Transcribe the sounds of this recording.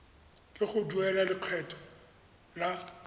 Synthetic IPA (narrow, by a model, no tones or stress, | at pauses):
kʼɪχʊduɛlaliq͡χʰwɛtʰʼɔ̥ | la